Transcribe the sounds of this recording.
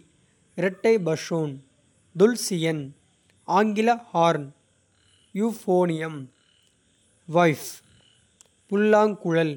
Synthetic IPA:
ɪɾɛʈːɐɪbɐʂoːn | d̪ʊlsɪjɐn | aːŋɡɪlɐhaːɾn | juːfoːnɪjɐm | ʋɐɪf | pʊlːaːŋkʊɻɐl

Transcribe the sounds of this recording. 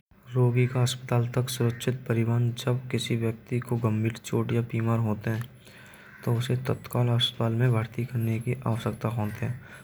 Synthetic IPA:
ɾoːɡikaɦəspət̪aːlt̪ɐksʊɾəkʃʰɪt̪̚pəɾɪwaːnd͡ʒɐbkɪsiʋjək̚t̪ikoɡə̃mbiːɾt͡ʃoːʈjapiːmaːɾɦoːt̪eɦɛ̃ː | t̪oʊset̪ət̪kaːlaspət̪aːlmẽbʱaːɾt̪ikəɾnekiʔa̰ːʋəsəkt̪aɦõːt̪eɦɛ̃ː

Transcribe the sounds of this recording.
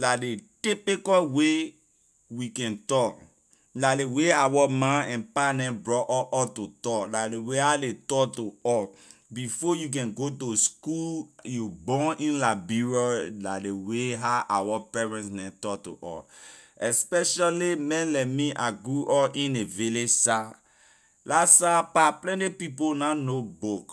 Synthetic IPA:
ladetipikɔwe | wikɛ̃ntɔk | nadeweawɔmãnɛ̃npanɛ̃bɹɔʔɔʔɔtotɔkladeweadetɔktoɔbifɔjuk̬ɛ̃nɡotoskuljubɔ̃nʔĩnlabiɹɔdadeweɦaʔawɔpɛɹɛ̃ntsnɛ̃ntɔkto̰ʔɔ̰ɛspɛʃalimɛ̃nlɛmiʔaɡɹuʔɔʔĩneviled͡ʒsa | lasapaplɛ̃ntipiponanobok

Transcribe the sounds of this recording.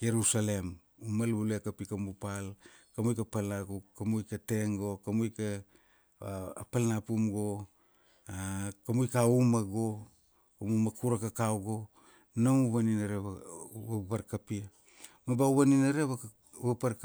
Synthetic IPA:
jeɾusale̞m | umalbulekapikamupalkamujkapalnakukːamujkate̞ŋɡo̞kamujka | palnapumɡo̞ | akamujkaumaɡo̞ | kamumakuɾakakawɡo̞ | namuβaninaɾeβapaɾkapia | mabauβaninaɾeβa | βapaɾ

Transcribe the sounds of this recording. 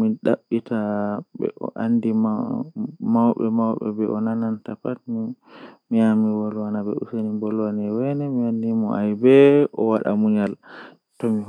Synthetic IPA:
miɗaɓːitʰaɓɛ̰ʔɔ̰ʔandim | mawɓɛmawɓɛ̰bɛʔɔnanantapat̚mi | miamiwɔlwanabɛṵsenimbɔlwanɛwɛnɛmiandimɔʔajbɛʔɔwaɗa̰muɲal | tɔmi

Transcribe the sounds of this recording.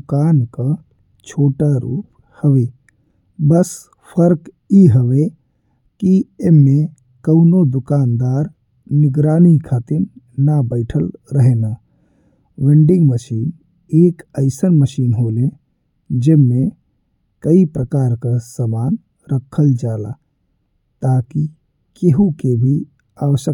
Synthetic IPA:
d̪ʊkaːnkə | t͡ʃʰoːʈaɾṵːp | həʋe | bəs | pʰəɾk | iɦəʋe | kieme | kəʊnod̪ʊkaːnd̪aːɾ | nɪɡɾaːnikʰaːt̪iɾ | nabəɪʈʰəlɾəɦena | ʋẽɳɖɪŋɡməʃiːn | eːkəɪsənməʃiːnɦole | d͡ʒemme | kəipɾəkaːɾkasəmaːn | ɾəkʰːəld͡ʒaːla̰ | t̪aki | keɦukebʱi | aʋəsə

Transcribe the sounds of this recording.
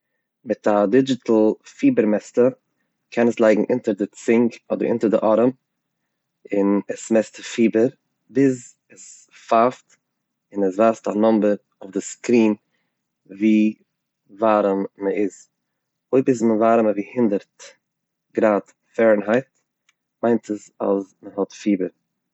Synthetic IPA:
mɪtadɪd͡ʒɪtl̩ˠfiːbəɾmɛstə | kʰɛnəslˠaɪɡŋ̩ʔɪntəɾdɪt͡sɪŋkɔdəɾɪ̰ntəɾdɪʔɔɾəm | ɪnəsmɛstəfiːbəɾ | bɪz | əs | faft | ɪnəsvaːstanɔmbəɾ | ʊfdɪskɾiːn | viː | vaːɾəmməɪz | oɪbɪs̬məvaːɾəməviːhɪndəɾt | ɡɾaːt | fɛɾnɦaɪt | maɪntəsa̰lˠsməhɔtfiːbəɾ

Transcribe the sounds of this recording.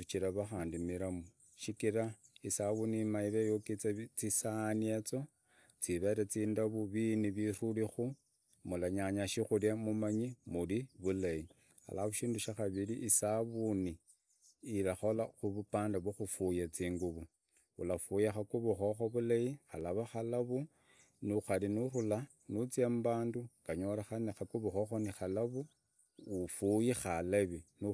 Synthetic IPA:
ut͡ʃiɾaβaxaːndimiɾamuu | ʃikiɾaisaβunimaiβejokit͡sat͡sisaniet͡so̞ | t͡siβe̞ɾet͡siːndaβuβiniβirulixu | mulaɲaɲaʃixuljamumaɲimuliβulaji | xa̰laβuʃiːnduʃaxaβiliʔisaβuniː | laxolaxuβupaːndaβwoxufujat͡siːŋɡuβu | ṵlafujaxakuβuxo̞xo̞βulajixalaβaxalaβu | nuxalinurula | nut͡sembaːnduŋkaɲo̞laxanexakuβuxoxo̞nixalaβuː | fujixalaβinu

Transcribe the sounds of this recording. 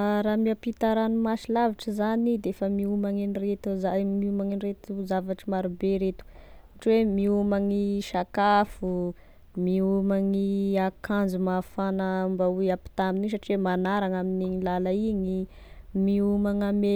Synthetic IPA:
ɾamiapit̪aɾanumaʃilaviʈ͡ʂəzanid̪eefəmiumaŋinret̪uzamiumaŋinret̪uzavaʈ͡ʂimaɾubeɾet̪u̥uʈ͡ʂwemiumaŋiʃakafu | miumaŋiakʰand͡zumafanəmbaujapi̥t̪aminis̬aʈ͡ʂiwemanaɾaŋaminiilalaiɲi | miumaŋame

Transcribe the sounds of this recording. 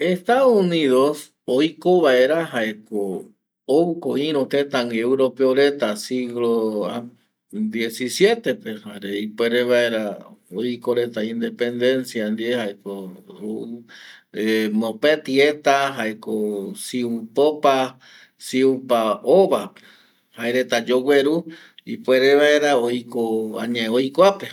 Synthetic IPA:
est̪aðouniðos | ojkoβaeɾaɦaeko | oukoĩɾ̃ot̪et̪aŋɡeuɾopeoɾet̪asiɡloa | d̪je̞sisje̞t̪e̞pehaɾeipweɾeβae̞ɾaojkoɾet̪aĩnd̪e̞pe̞nd̪e̞nsjand̪iehaekoo | emõpet̪iet̪aɦaekosiupopa | siupaoβape̥ | haeɾe̞t̪ad͡ʒowʷe̞ɾu | ipweɾeβaeɾaojkoã̰ɲãeojkʷape

